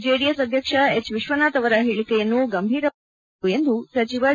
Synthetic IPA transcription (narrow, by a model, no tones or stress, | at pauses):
d͡ʒeːɽijɐsɐd̪ʱjɐkʂɐet͡ʃʋiʃʋɐnaːt̪ɐʋɐɾɐɦiɭikɐjɐnːuɡɐmbʱiːɾɐ | uend̪usɐt͡ʃiʋɐ